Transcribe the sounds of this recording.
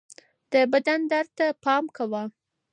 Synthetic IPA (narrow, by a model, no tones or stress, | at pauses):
d̪̥əbad̪and̪aɾt̪apɑmkawa